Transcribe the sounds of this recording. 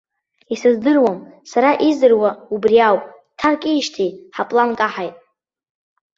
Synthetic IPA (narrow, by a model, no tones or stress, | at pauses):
isɨzdɨrwamsaɾaʔizɨrwaubriawpʼ | tʰarkʼiːʃtʰijħapʼlankʼaħajtʼ